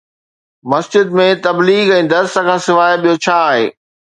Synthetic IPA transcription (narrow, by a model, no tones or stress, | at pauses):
mɐsd͡ʑɪd̪mẽt̪ɐbliːɡɛ̃ːd̪ɐɾsə̆kʰãːsɪʋaːeɓijot͡ɕʰaːɦḛː